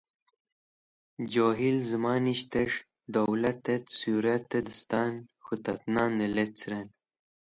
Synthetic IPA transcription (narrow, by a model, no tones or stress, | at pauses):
d͡ʑoːɦilzəmɑːniɕt̪eʂ | d̪owlɐt̪ːet̪suɾɐt̪ːed̪əst̪ɑːnxut̪ɐt̪nɑːnelet͡sɾen